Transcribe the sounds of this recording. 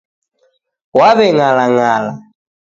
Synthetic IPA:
waβɛŋalaŋala

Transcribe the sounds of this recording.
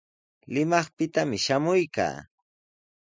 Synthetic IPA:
lɪmɑχpɪt̪amɪʃamʊjka̰ː

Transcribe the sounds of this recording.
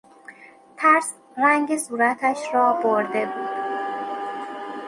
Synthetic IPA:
t̪ʰæɾs | æŋɟesuːɾæt̪ʰæʃɾɒːboɾd̪e̞buːd̪̥̚

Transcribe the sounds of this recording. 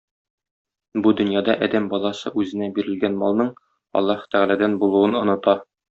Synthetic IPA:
bud̪ɵ̆njɑd̪ɑʔɒd̪æmbɒlˠɑsɤʔʉzɘ̆næbiɾɘ̆lɡænmɒlˠnɤɴ | ɒ̰lˠːɑhɤ̥t̪æʁælæd̪ænbulˠuwɤnŏnɤ̆t̪ɑ

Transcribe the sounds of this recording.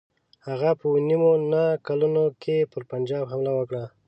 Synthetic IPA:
haɣapəwnimonakalunokʰepəɾpand͡ʒɑbɦamlawəkɽa

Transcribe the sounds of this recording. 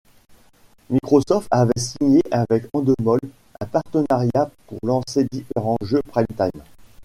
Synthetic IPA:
mikχɔsɔft̪avɛsiɲeʔavɛkɑ̃d̪əmɔl | ɛ̰̃paʁt̪ənaʁjapuʁlɑ̃sed̪ifeʁɑ̃ʒøpχajmt̪ajm

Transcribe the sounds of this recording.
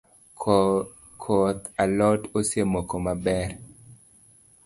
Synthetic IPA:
kʰot̪alɔtosjemokomabɛr

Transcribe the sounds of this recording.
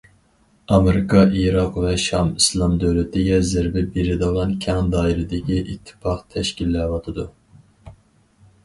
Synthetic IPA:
ɑmeɾɪkʰɑʔiɾɑqvɛʃɑmislˠɑmd̪øwlɪt̪ʰɪɡʲɛzɪɾbɪbiɾɪd̪ɨʁɑnkʲʰɑŋd̪ɑːiɾɪd̪ɪkʲiʔit̪ʰːɪ̥pɑχt̪ʰɛʃkʲilːɛːvɑt̪ʰɨd̪u

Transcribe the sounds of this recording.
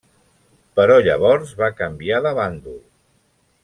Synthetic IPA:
pəɾɔʎəβ̞ɔɾzβakəmbiaðəβand̪u

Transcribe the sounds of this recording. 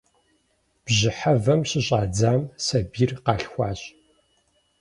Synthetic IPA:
b̥ʑɪħavɐmɕɪɕʼaːd͡zaːmsɐbiːrqɑːɬxʷɑːɕ

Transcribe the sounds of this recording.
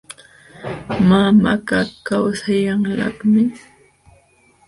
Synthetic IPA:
mamakakawsajaŋlɑ̰kmɪ

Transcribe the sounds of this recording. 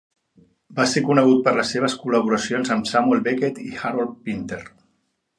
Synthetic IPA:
basekunəɣ̞ut̪̚pəɾləsːeβ̞əskuləβ̞uɾəsionzəmsamuelˠβeket̪ixaɾolpint̪er

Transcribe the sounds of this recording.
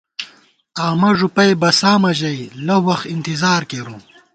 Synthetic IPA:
aːmɐʐupɐjbɐsaːmɐʑɐjlɐwɐxt̪int̪izaːɾkeɾũ

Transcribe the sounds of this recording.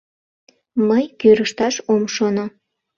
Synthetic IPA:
məjkøɾəʃt̪ɑʃomʃono

